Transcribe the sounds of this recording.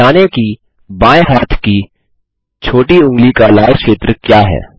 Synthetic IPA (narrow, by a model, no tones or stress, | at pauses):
aːneki | bãːeɦaːt̪ʰki | t͡ʃʰoːʈiʊ̃ŋɡlikalaːʃeːt̪ɾəkjaːɦɛ̰ː